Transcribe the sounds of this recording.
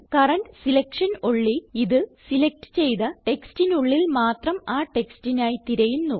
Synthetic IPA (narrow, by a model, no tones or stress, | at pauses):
kɐrɐnɖsilɐkʂɐnoɭːiiðɨsilɐk̚ʈɨ̥t͡ɕe̞jðɐʈe̞kstinuɭːilmaːt̪rɐmaːʈe̞kstinaːjit̪iɾɐjunːu